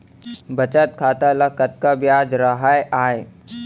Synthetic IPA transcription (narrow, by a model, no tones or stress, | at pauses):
bət͡ʃət̪̚kʰaːt̪alakət̪̚kabjaːd͡ʒɾəɦajʔaːe